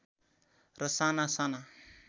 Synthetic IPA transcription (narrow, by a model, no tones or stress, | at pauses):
ɾəsanasana